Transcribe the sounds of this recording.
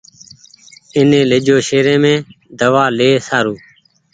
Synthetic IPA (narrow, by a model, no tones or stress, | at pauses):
ɪnẽːlɪd͡ʒoːʃeːɾẽːmẽː | d̪əʋaːleːsaːɾuː